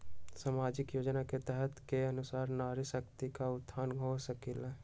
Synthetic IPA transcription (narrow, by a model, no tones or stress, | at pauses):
saːmaːd͡ʒɪkjoːd͡ʒnaket̪ɛɦɛt̪keɐnʊsaːɾnaːɾɪsəkt̪ikaʊd̪ʰʱːaːnɦosəkɪla